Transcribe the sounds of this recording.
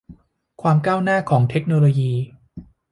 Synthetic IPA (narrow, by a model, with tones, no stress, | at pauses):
kʰwaː˧mkaː˥˩wnaː˥˩kʰɔː˩˦ŋt̪ʰe˦˥k̚noː˧loː˧jiː˧